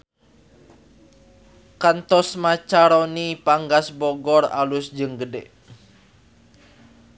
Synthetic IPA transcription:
kant̪ɔsmat͡ʃaɾonipaŋɡasbɔɡɔra̰lʊsd͡ʒɨŋɡədɛʔ

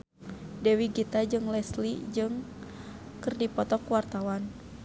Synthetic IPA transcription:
dɛwiɡit̪ad͡ʒɨŋlɛslid͡ʒɨŋ | kɨrdipɔt̪ɔkwart̪awan

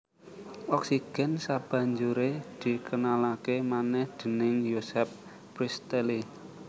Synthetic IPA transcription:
ʔɔksiɡ̥ɛ̤nsab̥ä̤ɲd͡ʒuɾed̪̥i̤kənalakemanɛhd̪̥ə̤nɪŋjosɛp̚ː | ɾist̪eli

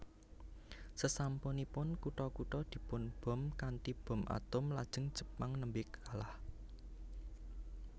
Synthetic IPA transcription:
səsampʊnipʊnkuʈɔkuʈɔd̪̥i̤pʊnb̥ɔ̤mkanʈ̪ib̥ɔ̤mʔa̰t̪ʊmlad̥ʒ̥əŋd̥ʒ̥ə̤̥paŋnəmbɪkalah

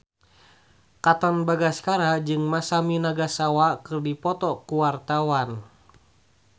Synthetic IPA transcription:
kat̪ɔnbaɡaskaɾad͡ʒɨŋmasaminaɡasawakɨrdipɔt̪ɔkuwart̪awan

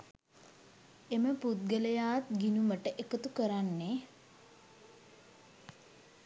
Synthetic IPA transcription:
eməput̪̚ɡələjaːt̪ɡinuməʈəʔekət̪ukəɾanːe

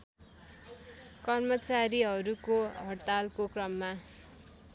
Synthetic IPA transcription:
kʌrmʌt͡saɾiɦʌɾukoɦʌrt̪alkokrʌmːa

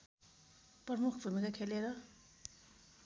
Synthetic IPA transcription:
pʌmukʰbʱumikakʰeleɾʌ

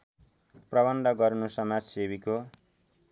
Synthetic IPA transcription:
prʌβʌnd̪ʌɡʌɾnusʌmad͡zsebiko

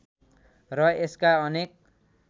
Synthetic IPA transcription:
rʌeskaʌnek̚

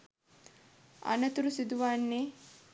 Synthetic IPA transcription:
ɐ̰nɐt̪uɾusid̪uʋaːnːe

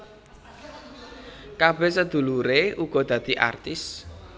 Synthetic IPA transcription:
kab̥ɛsəd̪̥ṳluɾeuɡ̥ɔ̤d̪̥ä̤d̪̥iʔa̰rt̪ɪs

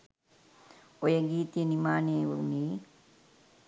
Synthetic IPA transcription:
ojəɡiːt̪ijənimaːneʋuɾuniː

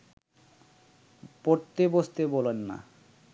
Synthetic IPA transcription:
poɾt̪ebost̪ebolonːa̰

